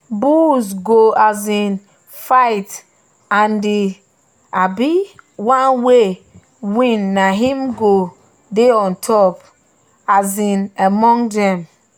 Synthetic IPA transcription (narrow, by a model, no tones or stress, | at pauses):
busɡoazĩn | faɪt | ãndi | abiwãnwe | wĩnːaɦĩmɡo | deɔ̃ntʰɔp | azĩnamɔ̃ŋdɛ̃m